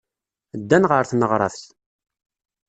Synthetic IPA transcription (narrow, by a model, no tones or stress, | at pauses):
d̪ːænʁəɾθnəʁɾˤɑ̰θθ